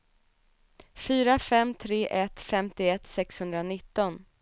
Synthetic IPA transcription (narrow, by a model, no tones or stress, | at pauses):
fyːɾafɛmt̪ʰɾeːʔɛt̪fɛmt̪ɪɛt̪sɛkshɵnd̪ɾanɪt̪ːɔn